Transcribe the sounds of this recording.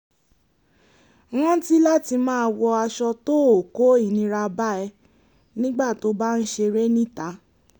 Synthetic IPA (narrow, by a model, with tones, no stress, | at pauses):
ã˦ti˦la˦ti˧mãː˦˧wɔ˧a˧ʃɔ˧to˦o˨ko˨˦i˦˨nĩ˧ɾa˧ba˦ɛ˧ | nĩ˦ɡ͡ba˦˨to˨˦ba˦n̩˦ʃe˧ɾe˦nĩ˦˨ta˨˦